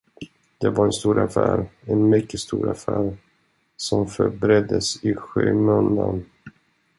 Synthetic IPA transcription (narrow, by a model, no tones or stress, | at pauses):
d̪̥ɛvaɾɛnst̪uːɾʔafæːɾɛnmʏkːəst̪uːɾafæːɾ | sɔmfœɾbɾɛd̪ːəsɪɧøːmɵnd̪an